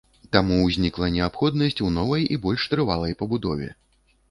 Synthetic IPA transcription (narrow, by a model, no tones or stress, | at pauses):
t̪amuzʲnʲiklˠɐnʲɛapxɔd̪̚nɐsʲt͡sʲunɔvɐjibɔlʲʂt̪ɾɨvalˠɐjpɐbud̪ɔvʲɛ̰